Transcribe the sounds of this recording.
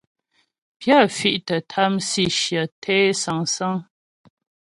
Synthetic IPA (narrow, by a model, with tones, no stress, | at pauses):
pja˦˨fi˦ʔtə˨tʰa˦msi˦˨ʃjə˨tʰɛ˦sa˨ŋsa˦ŋ